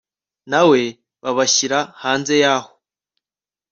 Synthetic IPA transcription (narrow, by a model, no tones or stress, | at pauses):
nawe̞ | βaβaçiɾahaːnze̞jaːho̥